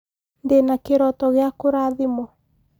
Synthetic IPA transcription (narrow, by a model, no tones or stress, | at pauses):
ndenakeɾɔtɔɣeakoɾaðimɔ